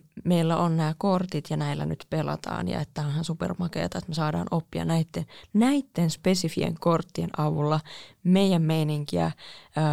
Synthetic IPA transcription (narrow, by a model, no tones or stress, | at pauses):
me̞ilːæʔonnæːkort̪it̪jɑnæilːæ̰ny̰t̪pelɑ̰t̪ɑ̰ːnjɑ̰et̪ːæonhɑnsupḛrmɑkḛːt̪ɑet̪mesɑːdɑ̰ːnʔopːiɑ̰næit̪ːennæit̪ːenspe̞sifiḛŋkort̪ːienʔɑʋulːɑmeijæmːeiniŋkiæ̰